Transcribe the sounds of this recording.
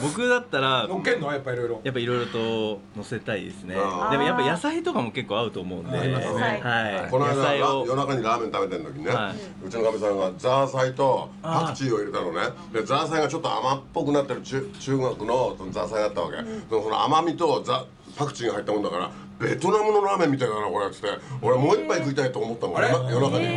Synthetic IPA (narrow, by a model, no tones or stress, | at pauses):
bo̞kɯ̟d̪at̪ːaɾaokenːojapːaiɾoiɾojapːaiɾo̞iɾo̞t̪o̞no̞se̞t̪aḭd̪e̞̰sɨne̞d̪e̞mo̞japːajasait̪o̞kamo̞ke̞kːo̞ːaɯ̟t̪oːmo̞ɯ̟̃nd̪ḛhaikonajad̪aaiojo̞nakaɲ̟iɾaːment̪abe̞t̪en̟t̪o̞kʲiɲinea | ɯ̟t͡ɕino̞kamʲis̬amãɡad͡zaːsait̪o̞pakɯ̟̥t͡ɕĩo̞iɾet̪ano̞ne | d̪e̞zaːsaiɡat͡ɕo̞t̪ːoa̰mapːo̞kɯ̟nat̪ːeɾɯ̟t͡ɕɨːt͡ɕɨːŋokɯ̟no̞sonozaːsaid̪at̪ːaβa̰ke̞̰sonosono̰a̰mamʲit̪o̞za | pakɯ̟̥t͡ɕĩŋɡaɦait̪ːamo̞nd̪akaɾa̰ | ɾe̞t̪o̞namɯ̟no̞ɾaːmẽ̞mːit̪ainanako̞ɾet̪ɨ̥t̪ːeo̞ɾemo̞ːipːaikɯ̟it̪ait̪o̞ːmo̞t̪ːamonajo̞nakaɲi